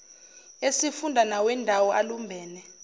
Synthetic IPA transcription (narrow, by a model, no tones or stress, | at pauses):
esifundʱanawɛndʱawɔʔalumbʱɛːnɛ